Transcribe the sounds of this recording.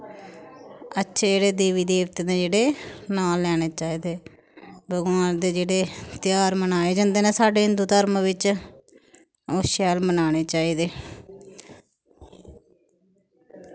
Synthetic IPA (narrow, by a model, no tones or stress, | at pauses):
ətːʃʰeːd͡ʒeːɽeːd̪iːʋiːd̪eːʋt̪eːd̪eːd͡ʒeːɽeːnaːlːɛːɽ̃eːt͡ʃaːiːd̪eː | bʱəɡʋaːnd̪eːd͡ʒeːɽeːt̪ɪjaːɾmənaːeːd͡ʒãːnd̪eːnẽːsaːɖeːɪ̃nd̪uːt̪əɾmʋɪt͡ʃ | oːʃɛːlmənaːɽ̃eːt͡ʃaːiːd̪eː